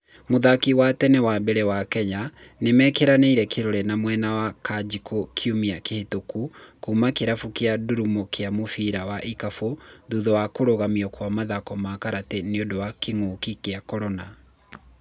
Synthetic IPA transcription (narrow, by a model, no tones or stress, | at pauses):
moðakiwatɛnɛwabeɾɛwakɛɲanemɛːkeɾaneiɾɛkeɾoɾɛnamwɛnawakʰad͡ʒikʰokʰjumiakehetokukuːmakeɾafukeaduɾumokʰeamofiɾawaʔikafoðuðɔwakoɾoɣamiɔkwamaðakɔmakaɾateneodowakeŋoːkikeakɔɾɔna